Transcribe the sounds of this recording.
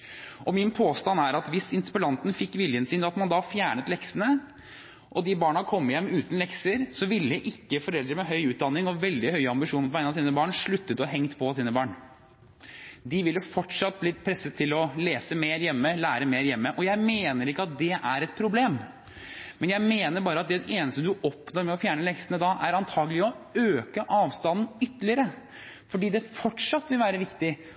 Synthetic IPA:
ʔɔmɪnpʰoːst̪ɑnæɾɑt̪ʋɪsɪnspəlɑnt̪n̩fɪkːʋɪljənsiːnɑt̪mɑnd̪ɑfjæːɳət̪lɛksənə | ʔɔd̪ɪbɑːɳɑkʰɔmːjɛmːʉːt̪n̩lɛksəɾsɔʋɪlːəəʔɪkːəfɔɾɛld̪ɾəɾmɛɦœʏʉːt̪̚d̪ɑnːɪŋɔʋɛld̪ɪhœʏɑmbɪʂuːnpʰɔʋæɪnɑsiːnəbɑːɳʂɭʉt̪ːət̪ɔɦɛŋt̪pʰɔsiːnəbɑːɳ | d̪ɪʋɪlːəfɔʈʂɑt̪ːbliːpʰɾɛsːət̪ʰːɪlɔleːsəmeːɾjɛmːəlæːɾəmeːɾjɛmːəʔɔjæɪmeːnəɾɪkːəɑt̪̚d̪ɛʔæɾɛt̪̚pʰɾʊbleːm | mɛnjæɪmeːnəɾbɑːɾəɑt̪̚d̪ɛeːnəst̪əd̪ʉʔɔpnɔɾmɛɔfjæːɳəlɛksənəd̪ɑʔæɾɑnt̪ʰɑːɡəlɪɔøːkəʔɑːʋst̪ɑnn̩ʏt̪ːəlɪəɾə | fɔɖiːd̪ɛfɔʈʂɑt̪ːʋɪlʋæːɾəʋɪkt̪ɪ

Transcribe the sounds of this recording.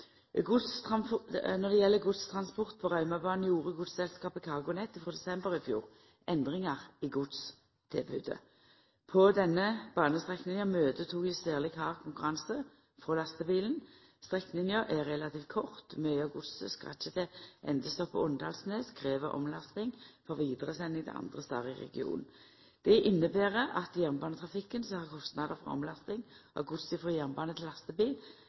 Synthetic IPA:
ɡʊd̪s | nɔd̪ɛjɛlːəɡʊd̪st̪ʰʁɑnspɔʁt̪̚pʰɔʁɑʏmɑbɑːnəjuːʁəɡʊd̪ssɛlskɑːpɪkʰɑːʁɡʊnɛt̪ːɪfʁɔːd̪ɛsɛmbəʁɪfjṵːʁ | ʔɛnd̪ʁɪŋɑʁɪɡʊd̪s | t̪ʰɪlbʉ̰ːd̪ə̰ | pʰɔd̪ɛnːəbɑːnəst̪ʁɛknɪnjəmøːd̪ət̪ʰuːkɪsæːʁlɪkʰɑːʁkʰʊŋkʊʁɑŋsə | fʁoːlɑst̪əbiːlən | st̪ʁɛkːnɪnjəʔæʁɛlɑt̪ʰiːft̪̚kʰɔʁt̪mœʏɑɡʊd̪səskʁɑ̰t͡ʃːət̪ʰɛʔɛ̰nd̪əst̪ɔpːə̰ɔnd̪ɑ̰ːlsneːskʁeːʋəʔɔ̰mlɑst̪ɪŋfɔʁʋiːd̪əʁəsɛnːɪŋt̪ʰɛ̰ʔɑ̰nd̪ʁəst̪ɑ̰ːʁɪʁɛ̰ɡɪ̰ṵːnn | d̪̥ɛʔɪnːəbæːʁəʔɑt̪jæʁmbɑːnət̪ʰʁɑfɪkːənsɔhɑːʁkʰɔst̪nɑd̪əʁfɔ̰ʁɔ̰mlɑst̪ɪŋʔɔ̰ɡʊt̪sɪfʁɔjæʁmbɑːnət̪ʰɪlːɑst̪əbiːl

